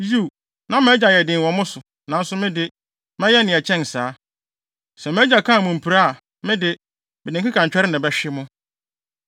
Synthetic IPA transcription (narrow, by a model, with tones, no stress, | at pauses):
ju˦˨ | nã˦mɛ̃˦d͡ʑa˨jɛ˨dɪ̃˨wɔ̃˨mʊ̃˦sʊ˨ | nã˨˦n̩˦sʊ˦mɪ̃˦dɪ˦ | mɛ̃˦jɛ˦nɪ̃˨ɛ˨t͡ɕʰɛ̃˦n˨saː˦ | sɛ˨mɛ̃˦d͡ʑa˨kʰã˦˨mʊ̃˨m̩˨pʰi˨ɾa˦a˨ | mɪ̃˦dɪ˦ | bɪ˨nɪ̃˨ŋkɪ˦kʰã˨ɲ̩˨t͡ɕᶣɛ˦ɾɪ˦nɪ̃˨bɛ˦ɕᶣɪ˦mʊ̃˦